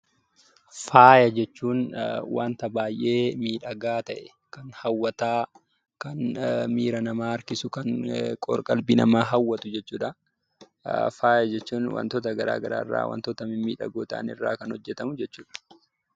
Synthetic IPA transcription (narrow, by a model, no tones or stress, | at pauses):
faːjɐd͡ʒɛt͡ʃːuːnwa̰ːnt̪ɐbaːjʔe̞ːmiːᶑɐɡaːt̪ɐʔɛ | kɐnhɐwːɐt̪aː | kɐnmiːɾɐnɐmaːɐɾkɪsʊkɐnkʼɔ̰ɾkʼɐlbinɐmaːɦɐwːɐt̪ʊd͡ʒɛt͡ʃːuːᶑɐ | faːjɐd͡ʒɛt͡ʃːuːnwɐ̰nt̪ɔt̪ɐɡɐɾa̰ːɡɐɾa̰ːɪrːa̰ːwɐ̰nt̪ɔt̪ɐmɪmiːᶑɐ̰ɡoːt̪ɐʔːnɪ̰rːa̰ːkɐnhɔd͡ʒːɛt̪ɐmʊd͡ʒɛt͡ʃːuːᶑɐ̥